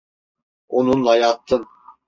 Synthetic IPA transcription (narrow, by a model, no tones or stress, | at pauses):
onunlˠajɑt̪ʰːɯn